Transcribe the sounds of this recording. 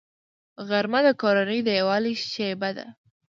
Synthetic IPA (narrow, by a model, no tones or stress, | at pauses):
ɣaɾmad̪əkoɾanəjd̪əjawɑliʃebad̪a̰